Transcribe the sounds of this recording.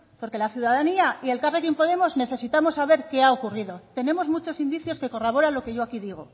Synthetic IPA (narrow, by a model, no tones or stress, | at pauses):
po̞ɾke̞laθjuðaðaniaie̞lkarekimpo̞ð̞e̞mo̞zne̞θe̞sit̪amo̞saβ̞e̞ɾke̞aokuriðo̞t̪e̞ne̞mo̞zmut͡ʃo̞sind̪iθjo̞ske̞ko̞raβ̞o̞ɾalo̞ke̞ʝo̞akiðiɣ̞o̞